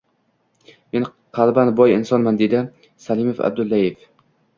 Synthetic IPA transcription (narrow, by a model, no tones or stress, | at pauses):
men | qʰɑlˠbanbɒjɪnsɒnmand̪ed̪ɪ | salɪmofa̰b̚d̪ʊlːajef